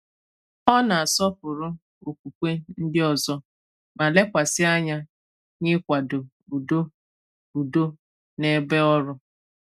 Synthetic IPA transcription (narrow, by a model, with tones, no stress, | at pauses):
ɔ˦na˨a˨sɔ˦pʊ˨ɾʊ˦ | o˨k̚ʷu˨kʷe˦n̩˦dɪ˦ɔ˨zɔ˦ | ma˨le˦kʷa˨sɪ˦a˦ɲa˦ | ɲɪ˦kʷa˨dʊ˨ | u˨do˦ | u˨do˦ | ne˦be˦ɔ˦ɾʊ˦